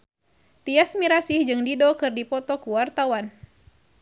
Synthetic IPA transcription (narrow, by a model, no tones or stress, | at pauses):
t̪iasmiɾasihd͡ʒɨŋdidɔkɨrdipɔt̪ɔkuwart̪awan